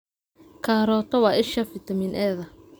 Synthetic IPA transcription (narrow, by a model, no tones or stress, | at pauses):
kʰaːɾɔːt̪ʰɔwɑːʔɪʃɐfɪt̪ʰɐmiːnʔɛːðɐ